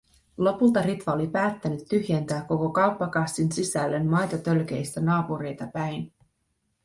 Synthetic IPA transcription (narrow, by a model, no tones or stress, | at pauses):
lo̞pult̪ɑɾit̪ʋɑo̞lipæːt̪ːænyt̪ːyhjent̪æːkːo̞ko̞kɑwpːɑkɑst̪ːinsisælːe̞nmɑjt̪ɑt̪ø̞lk̟e̞jst̪ænɑːpuɾe̞jt̪ɑpæjn